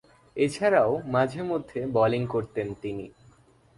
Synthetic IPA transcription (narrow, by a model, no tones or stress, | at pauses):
et͡ɕʰaɾaomad͡ʑʱeɾmod̪ʱːebɔliŋkoɾt̪ent̪ini